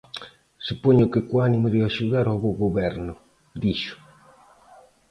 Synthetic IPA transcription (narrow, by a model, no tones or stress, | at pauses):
supɔɲʊkɪkwanimoðiaʃuðaɾawβoɣoβɛɾnʊ | d̪iʃʊ̥